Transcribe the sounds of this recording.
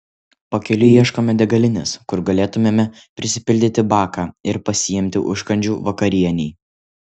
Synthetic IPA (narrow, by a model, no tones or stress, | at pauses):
pɐkʲɛlʲʊiɛʃkoːmʲɛd̪ʲɛɡɐlʲɪnʲɛskʊɾɡɐlʲeːt̪ʊmʲeːmʲɛ | pʲɾʲɪsʲɪpʲɪlʲd̪ʲɪt̪ʲɪbɑːkaːɪɾpɐsʲɪjɛmʲt̪ʲɪʔʊ̰ʃkɐnʲd͡ʒʲuːʋɐkɐɾʲiɛnʲɛː